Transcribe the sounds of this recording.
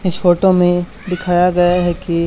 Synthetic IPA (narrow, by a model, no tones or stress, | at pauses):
ɪsfoːʈomẽ | d̪ɪkʰaːjaɡɐjaɦɛki